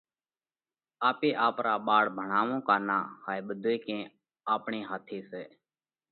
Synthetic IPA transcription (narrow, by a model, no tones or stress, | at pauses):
aːpeːʔaːpɾaːɓaːɽbʱəɳaːʋõːkaːnaːhaːeɓəd̪ʱoikẽː | aːpɳeːɦaːt̪ʰiːseː